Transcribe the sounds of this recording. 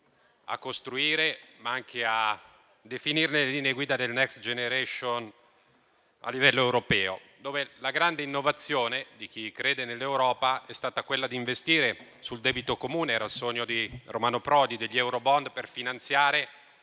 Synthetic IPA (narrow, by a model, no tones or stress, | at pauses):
a̰kːost̪ɾuiːɾemaaŋk̟ea | d̪efinirneleliːneeɡwiːd̪ad̪elnɛkst̪d͡ʒeneɾɛʃon | a̰lːivɛlːoewɾopɛːo̰ | d̪oːvelaɡɾand̪einːovat̪sːjoːned̪ik̟ikɾeːd̪enelːewɾɔːpaɛst̪aːt̪akwelːad̪iɱvest̪iːɾesuld̪ɛːbit̪okomuːneɛːɾalsoɲːod̪iromaːnopɾɔːd̪id̪eʎːiɛwɾobɔnd̪perfinant̪sjaːɾe